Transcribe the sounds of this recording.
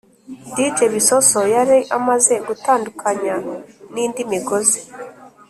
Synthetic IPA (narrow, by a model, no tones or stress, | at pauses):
dit͡ʃeβiso̞sojaɾiʔamaze̞ɡutaːndukʰaɲaniːndimiɡo̞ze